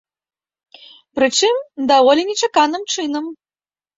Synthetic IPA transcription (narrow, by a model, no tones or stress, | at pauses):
pɾɨt͡ʂɨmd̪avɔlʲinʲɛt͡ʂakanɨmt͡ʂɨnɐm